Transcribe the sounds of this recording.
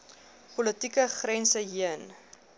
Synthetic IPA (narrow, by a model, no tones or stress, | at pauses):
pɔlətikəχrɛnsəɦiən